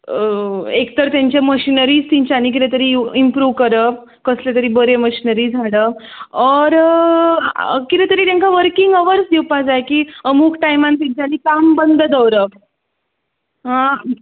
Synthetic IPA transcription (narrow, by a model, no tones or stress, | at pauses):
ekt̪əɾt̪jaɲt͡ɕeməɕinəɾiːd͡zt̪iɲt͡ɕaniːk̬iɾet̪əɾiimpɾuːʋkəɾə | kəslet̪əɾiːbəɾeməɕinəɾiːd͡zʱaɽə | ɔɾ | kit̪ɛt̪əɾiːt̪ãŋkaʋəɾkiŋɡəʋəɾsd̪iwpad͡zajkiːəmuːkʈajmãnt̪iɲt͡ɕanikambənd̪ʱəd̪əwɾə | ɦã